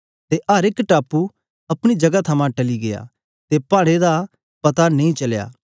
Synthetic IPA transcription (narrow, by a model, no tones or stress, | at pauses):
t̪eʔɐːɾɪkʈaːpu | ɐpɽ̃id͡ʒɐɡat̪ʰɐmãʈɐliɡeja̰ | t̪epaːɽ̃ed̪a | pɐt̪anɐ̃ĩt͡ʃɐlja̰ː